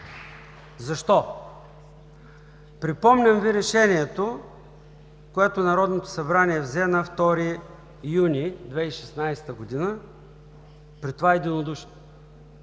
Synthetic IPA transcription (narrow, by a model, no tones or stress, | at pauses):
zɐʃt̪ɔ | pɾipɔmnʲɐmviɾɛʃɛniɛt̪o | koɛt̪onɐɾɔd̪not̪o̥sɐbɾaniɛvzɛnɐft̪ɔɾi | junʲid̪vɛiʃɛsnajst̪əɡod̪inə | pɾit̪ovaɛd̪inod̪uʃ